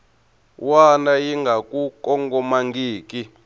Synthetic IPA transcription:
wanajiŋɡakukɔŋɡɔmaŋɡiːki

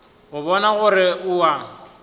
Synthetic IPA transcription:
ɣʊbɔnaɣʊrɪʔʊwa

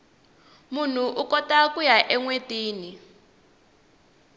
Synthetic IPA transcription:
mun̤uʔukɔtakʼujaʔɛŋwetʼiːni

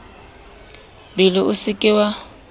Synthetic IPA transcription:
bɪlɪʔʊsɪkʼɪwa

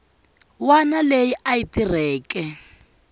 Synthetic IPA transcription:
wanalejiʔaitirɛːkɛ

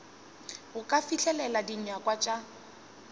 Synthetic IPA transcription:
ʊkʼafiɬɛlɛladiɲakʼwat͡ʃʼa

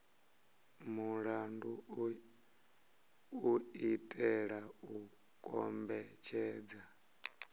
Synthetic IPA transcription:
muɺandu | uitʼɛɺau | kʼɔmbɛt͡ʃʰɛːd͡za

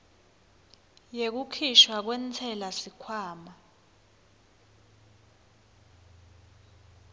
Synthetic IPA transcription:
jek̬ukʰiʃwak̬wɛːnt͡sʰɛlasikʰwaːma

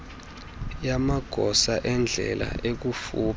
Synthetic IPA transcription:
jamaɡ̥ʱɔsaʔɛnd͡ɮʱɛla̰ʔek̬ufuːp

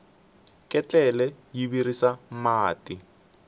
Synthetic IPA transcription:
kʼɛt͡ɬɛlɛjiβiɾisamaːti

